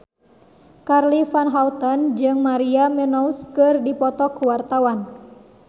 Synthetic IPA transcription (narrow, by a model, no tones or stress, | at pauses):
karlifanɦaut̪ɔnd͡ʒɨŋmaɾiamɛnɔuskɨrdipɔt̪ɔkuwart̪awan